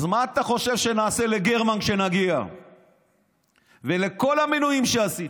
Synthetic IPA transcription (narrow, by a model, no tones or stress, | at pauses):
zmaːt̪aχo̞ʃe̞vʃe̞naːse̞le̞ɡeʁmankʃe̞naɡia̰ | veleko̞laminujimʃeasi